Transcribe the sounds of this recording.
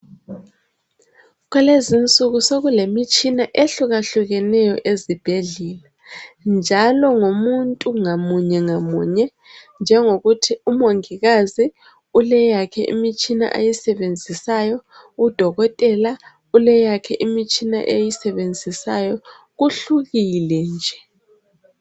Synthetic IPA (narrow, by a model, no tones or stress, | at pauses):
ɣwɛlezint͡sʼuɣusoɣulemit͡ʃʼinaʔeɬuɣaɬuɣɛnɛjɔʔezib̥ʱeɮiːla | nd͡ʒʱalɔŋomuntʼuŋamuɲɛŋamṵːɲɛ | nd͡ʒʱɛŋoɣutʰiumoŋiɣazi | ulɛjakʰɛ̰ʔimit͡ʃʼina̰ʔa̰jisɛβend͡zʱisajɔ | ud̥ʱɔɣɔtʼɛla | ulɛjakʰɛʔimit͡ʃʼina̰ʔejisɛβend͡zʱisajɔ | ɣuɬuɣilɛnd͡ʒʱɛ̥